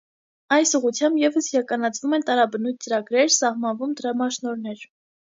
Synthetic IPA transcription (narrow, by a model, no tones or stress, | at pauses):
ɑjsuʁut͡sʰjɑmbjɛvəsjɑkɑnɑt͡sʰvumɛnt̪ɑɾɑbənujt̪̚t͡səɾɑɡɾɛɾsɑhmɑnvumd̪əɾɑmɑʃnɔɾnɛɾ